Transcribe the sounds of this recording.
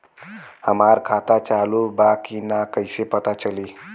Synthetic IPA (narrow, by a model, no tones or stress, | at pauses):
həmaɾkʰat̪at͡salubakinakəjsepət̪at͡səliː